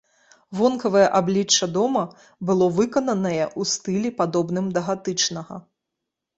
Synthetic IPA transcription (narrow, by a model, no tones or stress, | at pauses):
vɔnkɐvɐjɛʔablʲit͡ʂːɐd̪ɔmɐ | bɨlˠɔvɨkɐnɐnɐjɛʔust̪ɨlʲipad̪ɔbnɨmd̪ɐɣat̪ɨt͡ʂnɐɣɐ̰